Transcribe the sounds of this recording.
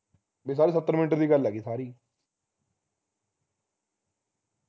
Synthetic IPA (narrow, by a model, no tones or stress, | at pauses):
bis̬aːɾiːs̬ət̪ːəɾmɪnʈ̬əɾd̪iːɡəlːɛɡiːsaːɾiː